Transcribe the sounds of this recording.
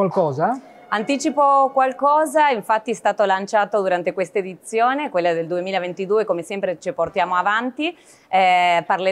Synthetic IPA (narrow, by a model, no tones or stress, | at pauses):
walkɔːza | ant̪iːt͡ʃipokwalkɔːzaiɱfat̪ːiɛst̪aːt̪olant͡ʃaːt̪od̪uɾant̪ekwest̪aed̪it̪sːjoːnekwelːad̪eld̪uemiːlavent̪id̪uːekomesɛmpɾet͡ʃeport̪jaːmoavant̪i | ɛparle